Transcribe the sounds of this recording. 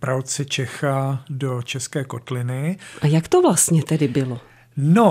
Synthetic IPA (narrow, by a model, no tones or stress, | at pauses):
pɾawt͡sɛt͡ʃɛxado̞t͡ʃɛskɛːko̞t̪lɪnɪʔajakt̪ovlast̪ɲɛt̪ɛdɪbɪlo | no